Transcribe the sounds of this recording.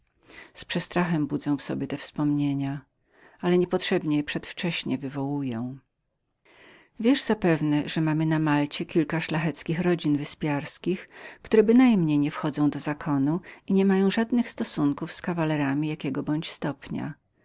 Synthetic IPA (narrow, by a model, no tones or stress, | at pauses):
spʂɛst̪ɾaxɛmbud̪zɛ̃w̃fsɔ̰bʲjɛt̪ɛfspɔmɲeɲa | alɛɲɛpɔtʂɛbɲɛjpʂɛt̪ft͡ʂɛɕɲɛvɘvɔwujɛ̃w̃ | vʲjɛʐzapɛvnɛʐɛmamɘnamalt͡ɕɛkʲilkaʂlaxɛt̪skʲixɾɔd͡ʑinvɘspʲjaɾskʲixkt̪uɾɛbɘnajmɲejɲɛfxɔd̪zɔ̃w̃d̪ɔzakʰɔnuiɲɛmajɔ̃w̃ʐad̪nɘxst̪ɔsuŋkufskavalɛɾamʲijakʲɛɡɔbɔɲt͡ɕst̪ɔpɲa̰